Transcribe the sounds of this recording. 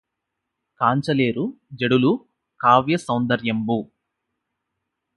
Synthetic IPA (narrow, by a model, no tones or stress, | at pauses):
kaːɲt͡ʃɐleːɾu | d͡ʒeɽulu | kaːʋjɐsɐwnd̪ɐɾjɐmbu